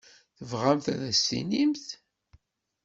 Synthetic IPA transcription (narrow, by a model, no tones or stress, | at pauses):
θəvʁæmθæ̰ðæst̪ḭnimθ